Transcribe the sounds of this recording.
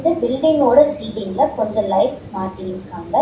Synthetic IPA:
d̪ɯbɪlɖɪŋɡoːɽɐsiːlɪŋɡlɐkɔɲd͡ʒɔ̃lɐɪʈsmaːʈːɪɪɾɯkːaːŋɡɐ

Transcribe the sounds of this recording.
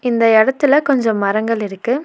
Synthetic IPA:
ɪnd̪ɐɪɽɐt̪ːɪlɐkɔɲd͡ʒɔ̃mːɐɾɐŋɡɐɭɪɾɯkːɯ

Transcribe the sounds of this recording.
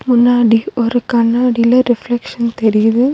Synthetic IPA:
mʊnːaːɽiɔɾɯkɐnːaːɽilɐɾɪflɛkʂɐnt̪ɛɾɪjɐðɯ

